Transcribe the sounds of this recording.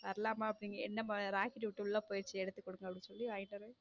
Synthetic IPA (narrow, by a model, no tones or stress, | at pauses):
ʋɐɾɐlaːmaːɐpːɐniːŋɡɐɛnːɐmaɾaːkɪʈʋɪʈːɯʊlːɐpoːjɪɾt͡ʃːɯɛɽɯt̪ːɯkːɔɽɯŋɡɐpɽĩnsɔlːiʋɐjnɐɾɯ